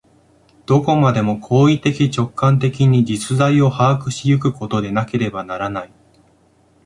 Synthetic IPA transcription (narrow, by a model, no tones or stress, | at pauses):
d̪̥o̞ko̞mad̪e̞mo̞kʰo̞ːit̪e̞kʲit͡ɕo̞kːãnt̪e̞kʲiɲ̟id͡ʑit͡sɨzaio̞haːkɯ̟ɕijɯ̟kɯ̟ko̞t̪o̞d̪e̞nake̞ɾe̞banaɾanai